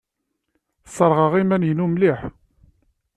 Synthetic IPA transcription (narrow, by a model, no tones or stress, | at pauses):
sˤːəɾˤʁəʁimænjənumliħ